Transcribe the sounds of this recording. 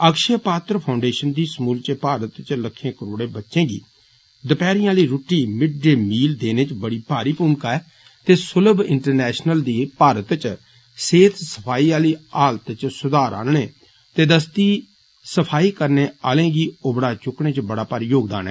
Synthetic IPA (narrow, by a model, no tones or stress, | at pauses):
əkʃeːpaːt̪ɾəpʰaːʊɳɖeːʃənd̪iːsmuːlt͡ʃəpaːɾət̪t͡ʃləkʰːẽːkəɾoːɽẽːbətːʃẽːɡḭː | d̪əpɛːɾɪjãːliːɾʊʈːiːmɪɖɖeːmiːld̪eːneːt͡ʃbəɽiːpaːɾiːpuːŋkaɛː | t̪eːsʊləbɪ̰ɳʈəɾnɛːʃnəld̪iːpaːɾət̪t͡ʃ | seːt̪ʰsə̥pʰaːiːaːliːaːlt̪t͡ʃsʊd̪aːɾa̰ːnɳeː | t̪eːd̪əst̪iː | səpʰaːiːkəɾneːaːlẽːɡiːoːbəɽaːt͡ʃʊkɽẽːt͡ʃbəɽaːpəɾjoːɡd̪a̰ːnɛ̰ː